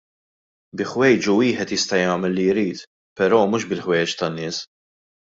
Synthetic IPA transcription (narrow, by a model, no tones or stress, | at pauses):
bɪħwɛjt͡ʃuwiːħɛt̪jɪst̪ɐjɐːmɛlːijɾiːt̪ | pɛɾɔːmuːʃbɪlħwɛjɛt͡ʃt̪ɐnːɪːs